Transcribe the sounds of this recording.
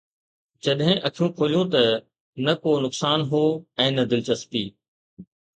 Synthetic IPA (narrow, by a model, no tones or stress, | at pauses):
d͡ʑɐɗɦɪ̃ʔɐkʰijũkʰoːlijõt̪ɐ | nɐkoːnʊksaːnɦoːɛ̃ːnɐd̪ɪlt͡ɕɐspiː